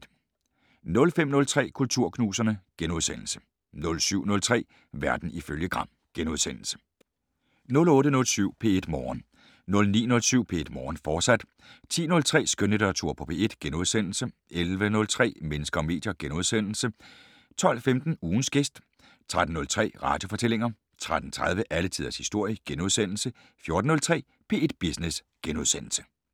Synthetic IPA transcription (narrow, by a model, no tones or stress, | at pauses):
nɔ̽lfem̰nɔ̽lt͡sʰʁɛ̰ːkʰult͡sʰuɐ̰kʰnuːsɐnəɡ̥enuð̞ˠsen̰l̩sə̥ | nɔ̽lsyʊ̰nɔ̽lt͡sʰʁɛ̰ː | ʋæɐd̥n̩iføljəɡ̥ʁɑ̈m̰ | ɡ̥enuð̞ˠsen̰l̩sə̥ | nɔ̽lɔ̽ːɾənɔ̽lsyʊ̰pʰe̝e̝d̥mɒːn | nɔ̽lnḭːnɔ̽lsyʊ̰pʰe̝e̝d̥mɒːnfɒ̥ːsæd̥ | t͡sʰḭːnɔ̽lt͡sʰʁɛ̰ːsɡ̥ønəd̥øɐt͡sʰuɐ̰pʰɒ̽pʰe̝e̝d̥ɡ̥enuð̞ˠsen̰l̩səʔelʋənɔ̽lt͡sʰʁɛ̰ːmenəsɡ̥ɐɒ̽me̝̰ːd̥jɐɡ̥enuð̞ˠsen̰l̩sə | t͡sʰɒ̽l̰femd̥n̩uːn̩sɡ̥esd̥ | t͡sʰʁad̥n̩ːɔ̽lt͡sʰʁɛ̰ːʁɑ̈d̥jo̝fɒ̽t͡sʰele̝ŋɐ | t͡sʰʁad̥n̩t͡sʰʁaðˠʋəʔælət͡sʰiðˠɐshisd̥o̝ɐ̰jəɡ̥enuð̞ˠsen̰l̩sə | fjo̝ɐd̥n̩nɔ̽lt͡sʰʁɛ̰ː | pʰe̝ːe̝d̥b̥isnes | ɡ̥enuð̞ˠsenl̩sə̥